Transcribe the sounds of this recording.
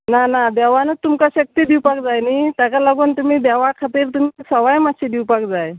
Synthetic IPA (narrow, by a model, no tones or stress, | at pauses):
nanad̪ɛʋanət̪umkaɕək̚t̪id̪iwpak̚d͡zajnit̪jakalaɡuːnt̪umiːd̪ɛʋakʰat̪iːɾt̪um̤isəʋajmad̪ɕid̪iwpak̚d͡zaj